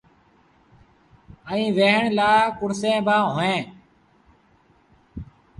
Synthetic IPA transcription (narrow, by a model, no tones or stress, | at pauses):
əĩːʋeːɦəɳlaːkʊɾsẽːbaːɦoːẽː